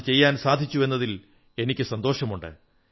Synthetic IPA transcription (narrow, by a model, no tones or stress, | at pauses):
t͡ɕe̞jːaːnsaːd̪ʱit͡ɕːue̞nːɐðil | e̞nikʲːɨsɐnd̪o̞ːʂɐmuɳɖɨ̰